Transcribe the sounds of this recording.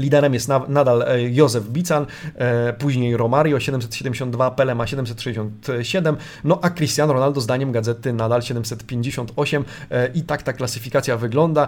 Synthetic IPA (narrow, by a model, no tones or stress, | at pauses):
lʲid̪ɛɾɛmjɛst̪nad̪aljɔzɛvbʲit̪sanpuʑɲejɾɔmaɾjɔɕɛd̪ɛmsɛt̪ɕɛd̪ɛmʲd͡ʑeɕ̬ɔ̃nd̪vapɛlɛmaɕɛd̪ɛmsɛt̪ʂɛd͡ʑeɕ̬ɔ̃nt̪ɕɛd̪ɛm | nɔʔakɾɨst̪ʲjanɾɔnald̪ɔzd̪aɲɛmɡad̪zɛt̪ɘnad̪alɕɛd̪ɛmsɛt̪pʲjeɲd͡ʑeɕɔnt̪ɔɕɛmʔit̪akt̪aklasɘfʲikat̪sʲjavɘɡlɔnd̪a